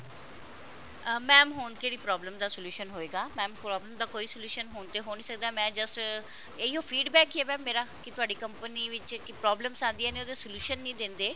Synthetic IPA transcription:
mɛ̃ːmɦoːnkeːɽiːpɾɔːbləmd̪aːsəluːʃənɦoːeːɡaːmɛ̃ːmpɾɔːbləmd̪aːkoːiːsluːʃənɦoːɳt̪eːɦoːnĩːsək̚d̪aːmɛ̃ːd͡ʒəs | eiɦoːpʰiːɖbɛːkɦɛːbɛ̃ːmeːɾaːkɪt̪ʊaːɖiːkəmpəniːʋɪt͡ʃkɪpɾɔːbləmsãːnd̪iɛːneːoːd̪eːsəluːʃənːĩːd̪ɪ̃nd̪eː

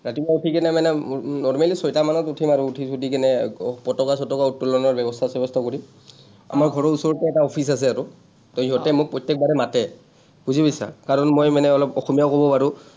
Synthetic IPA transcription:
ɹatibautʰikɛnɛmanɛnɔɹmalisɔjtamanɔtutʰimaɹuːtʰisutikɛnɛpɔtɔkasɔtɔkautːɔlɔnɔɹbɛbɔstʰasɛbɔstʰɔkoɹi | a̰maɹɡʱɔɹɔɹusɔɹɔtɛɛtaɔpʰis̬asɛaɹu | tɔɦɔtɛmʊk̚pɹɔtjɛk̚baɾɛmatɛ | b̥uzibɔsa̰kaɹɔnmojmanɛɔlɔpɔxɔmijaʊkobɔpaɹu

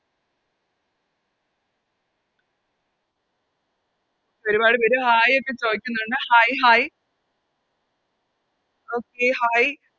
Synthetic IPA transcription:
pɐɾubaːɽɨpɐɾuɦaːjokːe̞t͡ɕoːjikʲːunːuɳɖɨhaːjɦaːj | oːkːehaːj

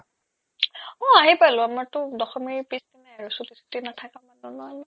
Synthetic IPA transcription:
ɔaɦipalʊ̃amaɹtʊdɔxɔmiɹpisdinaaɹusutisu̥tinatʰakamanɔnɔalɔ

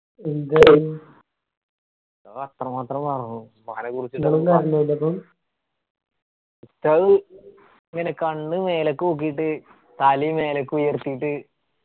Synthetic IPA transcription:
ind̪ɐ | ɐt̪rɐmaːt̪rɐmpɐrɐnːu | mɐɐnɐkurit͡ɕːuiŋːɐɭumkaːɾɐnːɐilɐpːom | t̪ːɐɣ | iŋːɐnekɐɳːɨme̞ːlɐkːɨok̬ːijiʈːɨ | t̪aːlime̞ːlɐkːɨujɐrt̪ːijiʈːɨ

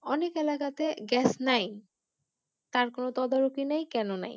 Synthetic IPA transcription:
ɔnekelakat̪eɡɛsnaj | t̪aɾkonot̪ɔd̪aɾokinajkɛnona̰j

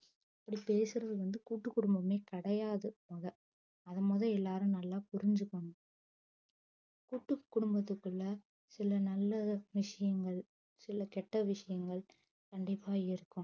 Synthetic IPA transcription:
ɐpːɐɽipeːsɯɾɐðɯʋɐnd̪ɯkuːʈːɯkːʊɽʊmbɐmeːkɐɽɐjaːðɯmɔðɐ | ɐðɐmoːðɐ̃ɛlːaːɾɯnɐlːaːpʊɾɪɲd͡ʒɯkːɐɳ | kuːʈːɯkːʊɽʊmbɐt̪ːɯkːɯɭːɐ | sɪlɐnɐlːɐʋɪʂɐjɐŋɡɐɭ | sɪlɐkɛʈːɐʋɪʂɐjɐŋɡɐɭ | kɐɳɖɪpːaːɪɾɯkːʊ̃

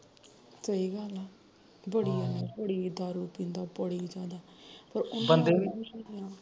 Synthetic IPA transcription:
səiːɡəlaː | bəɽiːaːabəɽiːd̪aːɾuːpĩːnd̪aːpəɽiːd͡ʒaːd̪aː | pəɾʊnbənd̪eːmiəejaː

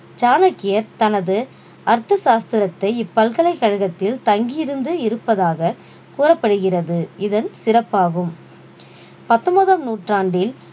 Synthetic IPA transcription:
d͡ʒaːnɐkːɪjɐɾt̪ɐnɐðɯ | ɐɾt̪ːɐsaːst̪ɪɾɐt̪ːɐɪɪpːɐlkɐlɐɪkːɐɻɯɣɐt̪ːɪlt̪ɐŋɡɪjɪɾɯnd̪ɯɪɾɯpːɐðaːɣɐ | kuːrɐpːɐɽɯɣɪrɐðɯɪðɐnsɪrɐpːaːɣɯm | pɐt̪ːɔmɐðɐmnuːʈraːɳɖɪl

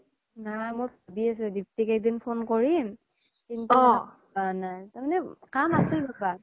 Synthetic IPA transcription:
najmojpabiasɛdiptikak̚dinpʰonkɔɹim | kintu | anajtaɹmanɛkamasiɹbaba

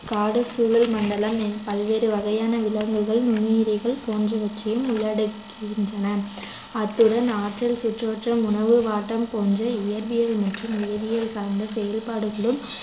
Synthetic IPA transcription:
kaːɽɯsuːlɐlmɐɳɖɐlɐmpɐlʋeːɾɯʋɐɣɐjaːnɐʋɪlɐŋɡɯɣɐɭnʊniːɾɪɣɐɭpoːnd͡ʒrɐʋɐt͡ʃːɪjɯmʊɭːɐɽɯkː | ɪɪndrɐnɐ | ɐt̪ːɯɽɐnaːʈrɐlsʊʈroːʈrɐmʊnɐʋɯʋaːʈːɐmpoːnd͡ʒɐɪjɐɾbɪjɐlmɛʈrɯmeːʋɪjɐlsaːɾnd̪ɐsɛjɐlpaːɽɯɣɐɭɯm

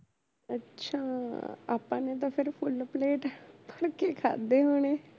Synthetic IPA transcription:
ətːʃʰaːa̰ːpã̰ːnet̪̬ãːpʰɪɾpʰʊlpleːʈpʰəɽkeːkʰa̰ːd̪eːɦoːɳ̃eː

